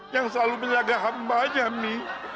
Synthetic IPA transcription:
jaŋsəlaluməɲaɡaɦambad͡ʒami

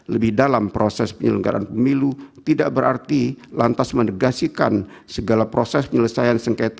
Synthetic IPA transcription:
ləbɪhdalampɾosɛspəɲələŋɡa̰ɾʔa̰npəmilut̪idaʔbəɾart̪ilant̪asmənəɡasika̰n | səɡalapɾosɛspəɲələsajansəŋket̪

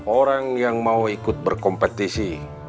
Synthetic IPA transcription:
oɾaŋjaŋmauikʊt̪̚bərkɔmpɛt̪isi

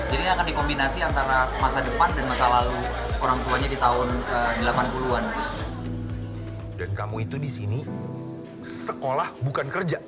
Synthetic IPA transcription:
d͡ʒadiakandikombinasiant̪aɾamasadəpandanmasalaluoɾaŋt̪uaɲadit̪aʊnədəlapanpuluan | dankamuit̪udisini | səkolahbukankərd͡ʒa

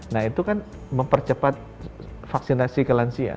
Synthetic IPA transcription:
nahit̪ukan | məmpərt͡ʃəpat̪̚ | faksinasikəlansia̰

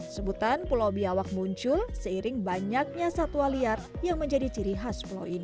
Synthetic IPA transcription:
ksəbut̪anpulawbiawak̚muɲt͡ʃʊlsəiɾɪŋbaɲak̚ɲasat̪ualiarjaŋməɲd͡ʒadit͡ʃiɾiɦaspula̰wini

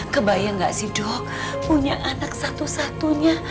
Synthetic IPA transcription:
kəbajaŋɡaʔsihdɔk̚ | puɲaʔanak̚sat̪usat̪uɲa

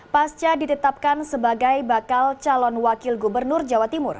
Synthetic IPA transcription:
past͡ʃadit̪ət̪ap̚kansəbaɡajbakalt͡ʃalɔnwakɪlɡubərnʊrd͡ʒawat̪imʊr

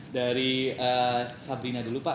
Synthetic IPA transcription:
daɾiəsabɾinadulupa

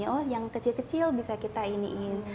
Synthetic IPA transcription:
ɔhjaŋkət͡ʃilkət͡ʃɪlbisakit̪ainiʔin

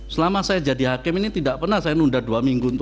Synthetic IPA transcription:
səlamasajad͡ʒadihakɪminit̪idaʔpərnahsajanundaduamiŋɡunt̪

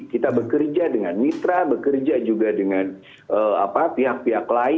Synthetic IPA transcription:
kit̪abəkərd͡ʒadəŋanmit̪ɾabəkərd͡ʒad͡ʒuɡadəŋan | əa̰papiɦak̚piɦaklaɪ

